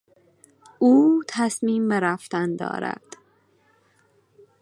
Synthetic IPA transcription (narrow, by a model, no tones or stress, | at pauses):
uːt̪ʰæsmiːmbeɾæft̪ænd̪ɒ̰ːɾæ̰d̪̥